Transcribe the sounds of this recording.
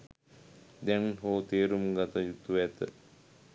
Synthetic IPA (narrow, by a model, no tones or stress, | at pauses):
d̪ɛnɦoːt̪eːɾumɡat̪əjut̪uʋɛt̪ə